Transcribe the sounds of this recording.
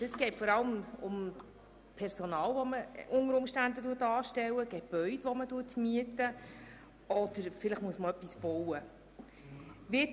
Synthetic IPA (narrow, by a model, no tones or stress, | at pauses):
əsɡ̥ɛɪtfɔɾɑləmʊm | pʰɛɾsɔnɑːlʋɔməʔʊŋəɾʊmʃtændətuətɑːʃtɛwəɡ̥ɛb̥œʏdʋɔmətuətmiətə | ɔd̥̪əɾfɪləχmuəsməœpːisb̥ɔwə | ʋɪ